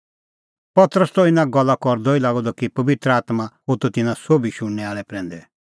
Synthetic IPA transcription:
pɐt̪ɾəst̪ɔɪnãɡɔlːakɔɾd̪ɔilaːɡɔd̪ɔkipɐbɪt̪ɾəaːt̪mãɦot̪ɔt̪ɪnãsobʱiʃʊɽ̃ːɛaːɭɛpɾɛ̃ːnd̪ɛ

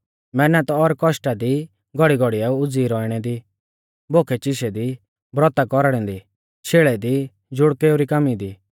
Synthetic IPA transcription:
mɛnat̪ɔɾkɔʃʈad̪i | ɡɔɽiɡɔɽijaʊd͡ziːɾɔːiɽ̃ɛd̪i | boːkʰɛt͡ʃɪʃɛd̪i | bɾɔt̪akɔɾɽ̃ɛ̃nd̪i | ʃeːɭɛd̪i | d͡ʒʊɽkeoɾikamid̪iː

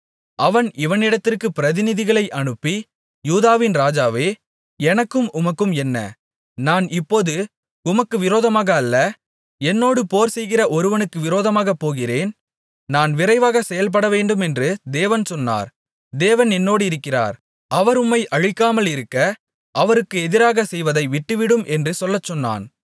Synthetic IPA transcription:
ʔɐʋɐnɪʋɐnɪɽɐt̪ːɪrkɯpɪɾɐðɪnɪðɪɣɐɭɐɪʔɐɳɯpːi | juːðaːʋɪnɾaːd͡ʒaːʋeː | ɛnɐkːɯmʊmɐkːɯmɛnːɐ̰ | naːnɪpːoːðɯ | ʊmɐkːɯʋɪɾoːðɐmaːɣɐːlːɐ | ɛnːoːɽɯpoːɾsɛjɣɪrɐʔɔɾɯʋɐnɯkːɯʋɪɾoːðɐmaːɣɐpːoːɣɪreːn | naːnʋɪɾɐɪʋaːɣɐsɛjɐlp̬ɐɽɐʋeːɳɖɯmɛndrɯd̪eːʋɐnsɔnːa̰ːɾ | d̪eːʋɐnɛnːoːɽɯɪɾɯkːɪra̰ːɾ | ʔɐʋɐɾʊmːɐɪʔɐɻɪkːaːmɐlɪɾɯkːɐ | ʔɐʋɐɾɯkːɯɛðɪɾaːɣɐsɛjʋɐðɐɪʋɪʈːɯʋɪɽɯmʔɛndrɯsɔlːɐt͡ʃːɔnːa̰ːn

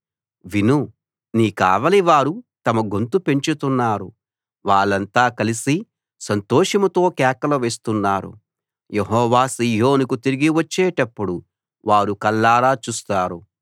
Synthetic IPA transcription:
ʋinu | niːka̰ːʋɐliʋaːɾut̪ɐmɐɡont̪upe̞ɲt͡ʃut̪unːaːɾṵ | ʋaːɭːɐnt̪aːkɐlisi | sɐnt̪oːʂɐmɐt̪o̞ːkɛːkɐlɐʋe̞ːst̪unːaːɾṵ | jeɦɔːʋaːsiːɦoːnukut̪iɾiɡiʋɐt͡ʃːɛːʈɐpːuɽu | ʋaːɾukɐlːaːɾaːt͡ʃuːst̪aːɾu

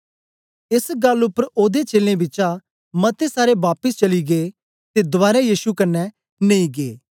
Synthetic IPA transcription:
ɪsɡɐlʊpːəɾoːd̪et͡ʃeːlẽbɪt͡ʃa | mɐt̪esaːɾeʋaːpəst͡ʃɐliɡeː | t̪ed̪ʊʋaːɾajiːʃukɐnːɛ | nẽĩɡḛː

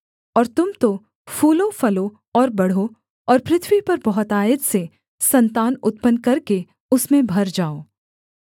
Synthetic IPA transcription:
ɔːɾt̪ʊmt̪o | fʰuːlõfɐlo | ɔːɾbɐɽ̤o | ɔːɾpɾɪt̪ʰwipɐɾbɔɦʊt̪aːəd̪se | sɐ̃nt̪aːnʊt̪̚pənkɐɾke | ʊsmẽbʱɐɾd͡ʒaːoː

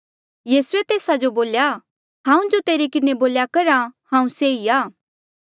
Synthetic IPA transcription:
jiːsʊet̪eːsad͡ʒoboːlja | ɦãːũd͡ʒot̪eːɾekɪneboːljakɐɾahãːũseiaː

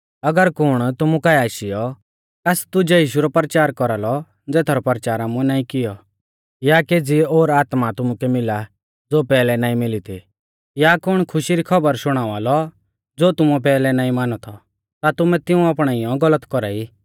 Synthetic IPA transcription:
ɐɡəɾkʊɽ̃t̪ʊmukajaːʃɪjɔ | kast̪ʊd͡ʒɛjiːʃuɾɔpɾət͡ʃaːɾkɔɾalɔ | d͡zɛːt̪ʰaɾɔpəɾət͡ʃaːɾaːmũɛnaːĩkɪjɔ | jakeːd͡zioːɾaːt̪mat̪ʊmukɛmɪla | d͡zoːpɛːlɛnaːĩmɪlit̪ʰḭ | jakʊɽ̃kʰʊʃiɾikʰɐbəɾsʊɽ̃aːʋaːlɔ | d͡zoːt̪ʊmuɛpɛːlɛnaːĩmaːnɔt̪ʰɔ | t̪at̪ʊmɛ̃t̪ɪũaːpɽ̃aːijɔ̃ɡɐlət̪kɔɾa̰ːiː

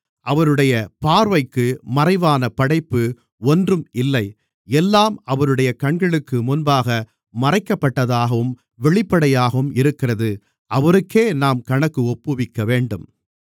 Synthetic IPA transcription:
ʔɐʋɐɾɯɽɐjɐpaːɾʋɐɪkːɯmɐrɐɪʋaːnɐpɐɽɐɪpːɯ | ɔndrɯmɪlːɐɪ | ɛlːaːmɐʋɐɾɯɽɐjɐkɐɳɡɐɭɯkːɯmʊnbaːɣɐ | mɐrɐɪkːɐpːɐʈːɐðaːɣɐʋɯm | ʋɛɭɪpːɐɽɐjaːɣɐʋɯmɪɾɯkːɪrɐðɯ | ʔɐʋɐɾɯkːeːnaːmkɐɳɐkːɯɔpːɯʋɪkːɐʋeːɳɖɯm

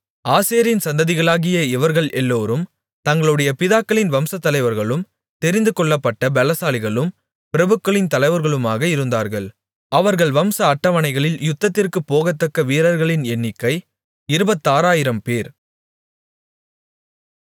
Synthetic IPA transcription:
aːseːɐɾɪnsɐnd̪ɐðɪɣɐɭaːɣɪjɐɪʋɐɾɣɐɭɛlːoːɾɯm | t̪ɐŋɡɐɭɯɽɐjɐpɪðaːkːɐɭɪnʋɐmsɐt̪ːɐlɐɪʋɐɾɣɐɭɯm | t̪ɛɾɪnd̪ɯkɔɭːɐpːɐʈːɐbɛlɐsaːlɪɣɐɭɯm | pɪɾɐbɯkːɐɭɪnt̪ɐlɐɪʋɐɾɣɐɭɯmaːɣɐɪɾɯnd̪aːɾɣɐɭ | ɐʋɐɾɣɐɭʋɐmsɐːʈːɐʋɐɳɐɪɣɐɭɪljʊt̪ːɐt̪ːɪrkɯpːoːɣɐt̪ːɐkːɐʋiːɾɐɾɣɐɭɪnɛnːɪkːɐɪ | ɪɾɯbɐt̪ːaːɾaːjɪɾɐmpeːɾ

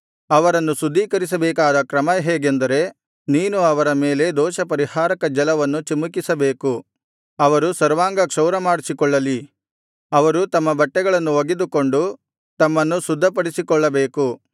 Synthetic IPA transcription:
ɐʋɐɾɐnːusud̪ʱːiːkɐɾis̬ɐbɛːkaːd̪ɐkɾɐmɐɦeːɡend̪ɐɾe̞ | niːnuɐʋɐɾɐme̞ːle̞d̪ɔːʃɐpɐɾihaːɾɐkɐd͡ʒɐlɐʋɐnːut͡ʃimukisɐbeːku | ɐʋɐɾusɐɾʋaːŋɡɐkʂɐwɾɐmaːɽisikɔɭːɐli | ɐʋɐɾut̪ɐmːɐbɐʈːɛɡɐɭɐnːuʋɐɡed̪uko̞ɳɖu | t̪ɐmːɐnːusud̪ʱːɐpɐɽisikɔɭːɐbeːku

